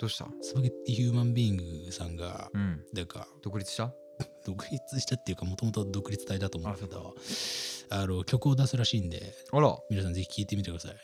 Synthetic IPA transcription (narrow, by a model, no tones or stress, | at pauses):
d̪̥oɕi̥t̪a̰sɨbaket̪ːiçɨːmãmbʲiːŋɡɯ̟sãŋɡa̰ɯ̃d̪aka̰d̥̪okɯ̟ɾʲit͡sɨ̥ɕi̥t̪a | d̪̥o̞kɯ̟ɾʲit͡sɨɕi̥t̪at̪ːe̞jɯ̟kamo̞t̪o̞mot̪o̞d̪o̞kɯ̟ɾʲit͡sɨ̥t̪aid̪at̪omõeskkd̪o̰ | ano̞kʲo̞kɯ̟o̞d̪asɨɾaɕiːnd̪e̞̰ | aɾamʲinas̬ãnd͡ze̞çi̥kʲiːt̪e̞mʲit̪e̞kɯd̪asa̰i